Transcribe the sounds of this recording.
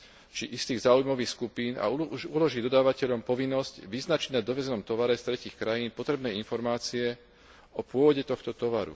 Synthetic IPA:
t͡ʃiʔist̪iːɣzaːujmɔʋiːxskupiːna̰uulɔʒid̪ɔd̪aːʋacɛʎɔmpɔʋinːɔzcʋiznat͡ʃiɟnad̪ɔʋɛzɛnɔmt̪ɔʋaɾɛst̪ɾɛciːxkɾajiːnpɔt̪ɾɛbnɛːinfɔɾmaːt͡siɛ | ɔpʊɔʋɔɟɛt̪ɔxt̪ɔt̪ɔʋaɾṵ

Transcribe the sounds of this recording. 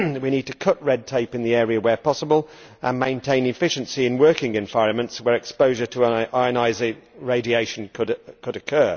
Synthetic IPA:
wiñiːd̚tʰəkʰʌʔɹɛd̚tʰeɪpɨ̃nðiɛːɹiəwəpʰɒsəbəlˠ | ʔə̃nmẽɪ̃ntʰẽɪ̃nɪfɪʃɨ̃nsiɪ̃nwɜˑkɪ̃ŋɨ̃ɱvaɪɹə̃nmə̃ntswəɹɛkspəʊʒətʰəʔaɪənaɪzɪɹeɪdieɪʃə̃n̩kʰəɾkʰəɾəkʰɜː

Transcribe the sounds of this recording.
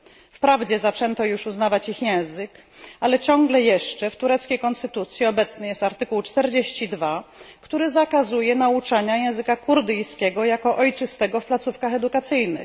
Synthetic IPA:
fpɾavd͡ʑɛzat͡ʂɛnt̪ɔjuʂuznavat͡ɕixjɛ̃w̃zɘk | alɛt͡ɕɔŋɡlɛjɛʂt͡ʂɛft̪uɾɛt̪skʲejkɔnst̪ɘt̪ut̪sʲjiɔbɛt̪snɘjɛst̪aɾt̪ɘkuwt͡ʂt̪ɛɾd͡ʑeɕt͡ɕid̪vakt̪uɾɘzakazujɛnaut͡ʂaɲajɛ̃w̃zɘkakuɾd̪ɘjskʲɛɡɔjakɔʔɔjt͡ʂɘst̪ɛɡɔfplat̪sufkaxɛd̪ukat̪sɘjnɘ̰

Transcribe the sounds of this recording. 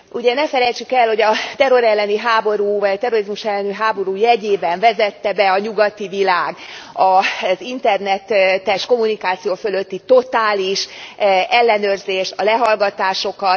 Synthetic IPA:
uɟɛnɛfɛlɛjt͡ʃykɛlho̞ɟɒt̪ɛɾo̞ɾɛlːɛniɦaːbo̞ɾuːvɒɟɒt̪ɛrorizmuʃɛlːɛniɦaːbo̞ɾuːjɛɟeːbɛɱvɛzɛt̪ːɛbɛɒɲuɡɒt̪ivilaːɡɒzint̪ɛrnɛt̪t̪ːɛʃko̞munikaːt̪sijoːfø̞løt̪ːit̪o̞t̪aːliʃ | ɛlːɛnøːrzeːʃt̪ɒlɛɦɒlɡɒt̪aːʃo̞kɒt̪

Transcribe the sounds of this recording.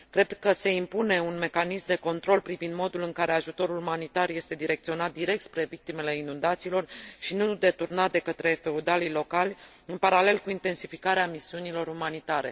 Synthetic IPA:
kɾe̞d̪kəse̞impune̞unme̞kanismd̪e̞ko̞nt̪ɾo̞lpɾivind̪mo̞d̪ulɨŋkaɾe̞aʒut̪o̞ɾulumanit̪arje̞st̪e̞d̪iɾe̞k̚t̪sio̞nat̪̚d̪iɾe̞k̚t̪spɾe̞vik̚t̪ime̞le̞inund̪at̪silo̞rʃinud̪e̞t̪urnat̪̚d̪e̞kət̪ɾe̞fe̞ud̪alilo̞kalʲ | ɨnpaɾale̞lkuint̪e̞nsifikaɾeamisiunilo̞ɾumanit̪aɾe̞̰

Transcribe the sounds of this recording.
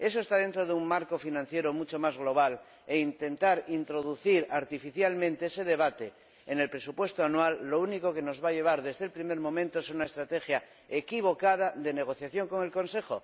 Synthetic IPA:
e̞soest̪aðe̞nt̪ɾoðeuŋmaɾko̞finãn̟θje̞ɾomut͡ʃomazɣlo̞β̞al | eint̪e̞nt̪aɾint̪ɾo̞ðuθiɾaɾt̪ifiθjalmẽnt̪eeseðeβ̞at̪e | ene̞lpɾe̞supwe̞st̪oanwalːo̞unikoke̞no̞zβaʎe̞β̞aɾðe̞zðelpɾime̞ɾmõ̞mẽnt̪oeseunaest̪ɾat̪e̞xja | ekiβ̞o̞kað̞aðe̞neɣ̞o̞θjaθjoŋko̞ŋe̞lkõ̞nse̞xo̰

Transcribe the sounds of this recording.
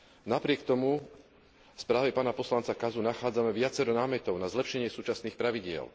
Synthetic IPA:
napɾɪɛkt̪ɔmu | fspɾaːʋɛpaːnapɔslant͡sakazunaxaːd͡zamɛʋɪat͡sɛɾɔnaːmɛt̪ɔʊnazlɛpʃɛɲɪɛsuːt͡ʃasniːxpɾaʋiɟɪɛ̰l

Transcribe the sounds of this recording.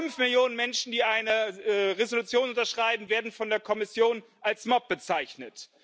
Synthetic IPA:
ʏnfmɪljoːnənmɛnʃn̩diːʔaɪnəɛʁezolut͡sjoːnʔʊntɐʃʁ̥aɪbn̩veːɐdn̩fɔndeːɐkʰɔmɪsjoːn | ʔalsmɔp̚b̥ət͡saɪçnət

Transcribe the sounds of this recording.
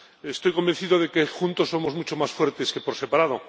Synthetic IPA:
est̪ojko̞mbe̞nθiðoð̞e̞kexunt̪osːo̞mozmut͡ʃo̞masfwe̞ɾt̪eske̞po̞ɾse̞paɾað̞o

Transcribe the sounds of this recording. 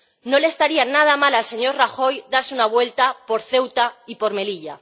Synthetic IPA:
no̞lest̪aɾianað̞amalalse̞ɲo̞ɾraxo̞jd̪aɾsunaβ̞we̞lt̪apo̞ɾθe̞wt̪aipo̞ɾme̞liʎa̰

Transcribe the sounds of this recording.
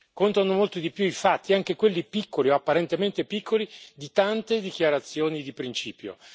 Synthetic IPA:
kont̪anomolt̪od̪ipjuifat̪ːiaŋk̟ekwelːipikːolioapːaɾent̪ement̪epikʰːolid̪it̪ant̪ed̪ikjaɾat̪sːjoːnid̪ipɾint͡ʃiːpjo̰

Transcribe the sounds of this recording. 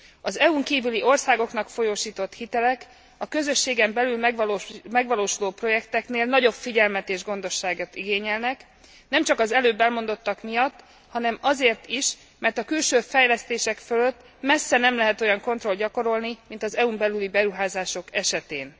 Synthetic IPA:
ɒzɛuŋkiːvyliʔo̞rsaːɡo̞knɒkfo̞joːʃiːt̪o̞t̪hit̪ɛlɛk | ɒkø̞zø̞ʃːeːɡɛmbɛlylmɛɡmɛɡʋɒloːʃuloːpro̞jɛkt̪ɛkneːlnɒɟo̞pfiɟɛlmɛt̪eːʒɡo̞n̪d̪o̞ʃːaːɡot̪iɡeːɲɛlnɛk | nɛmt͡ʃɒkɒzɛløːbːɛlmo̞nd̪o̞t̪ːɒkmijɒt̪ː | hɒnɛmɒzeːrt̪iʃ | mɛrt̪ɒkylʃøːfɛjlɛst̪eːʃɛkfølø̞t̪ː | mɛsːɛnɛmlɛɦɛt̪o̞jɒŋko̞nt̪ro̞lɟɒko̞ɾo̞lnimint̪ɒzɛumbɛlylibɛɾuɦaːzaːʃo̞kɛʃɛt̪eːn

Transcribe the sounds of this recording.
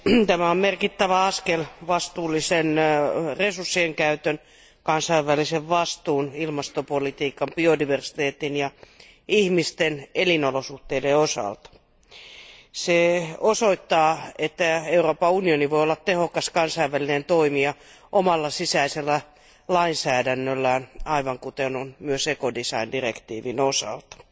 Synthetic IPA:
t̪æmæommerkit̪ːæʋæɑskelʋɑst̪uːlːisenresursːieŋkæyt̪øn | kɑnsɑiʋʋæliseʋʋɑst̪uːnilmɑst̪opolit̪iːkɑmpiodiʋersi̥t̪eːt̪injɑ | ihmist̪enelinolosuht̪eideosɑ̰lt̪ɑ̥ | seosoit̪ːɑːet̪ːæeuroːpɑunioniʋoiolːɑt̪t̪ehokɑskɑnsɑiʋːælinent̪oimiɑ | ʔomɑlːɑsisæiselːæ | lɑinsæːdænːølːænɑiʋɑŋkut̪enonmyøsekodisɑindirekt̪iːʋinosɑ̰lt̪ɑ̥

